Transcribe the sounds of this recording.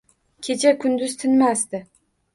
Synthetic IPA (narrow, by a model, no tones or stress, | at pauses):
kʲʰe̞t͡ʃʰakʰʊnd̪ʊz̥t̪ʰɪnmast̪ɪ